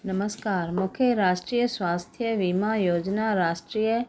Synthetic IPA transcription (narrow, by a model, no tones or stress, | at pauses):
nɐməskaːɾmʊkʰjeɾaːʃʈɾiːjəsʋaːst̪ʰjəʋimajoːd͡ʒnaɾaːʃʈɾiːjə